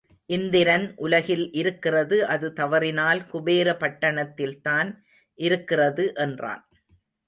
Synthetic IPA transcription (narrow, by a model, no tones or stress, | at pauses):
ʔɪnd̪ɪɾɐnʔʊlɐɣɪlʔɪɾɯkːɪrɐðɯʔɐðɯt̪ɐʋɐrɪnaːlkʊbeːɾɐpɐʈːɐɳɐt̪ːɪlt̪aːn | ʔɪɾɯkːɪrɐðɯʔɛndra̰ːn